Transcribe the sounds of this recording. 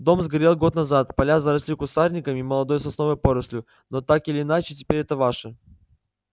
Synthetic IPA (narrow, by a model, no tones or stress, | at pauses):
d̪o̞mzɡɐɾʲe̞lˠɡo̞t̪nɐzat̪pɐlʲazəɾɐsʲlʲikʊst̪arnʲɪkəmʲiməlˠɐd̪o̞jsɐsno̞vəjpo̞ɾəsʲlʲʊ | not̪akɪlʲɪːnat͡ɕɪtʲɪ̥pʲeɾʲɛt̪əvaʂɨ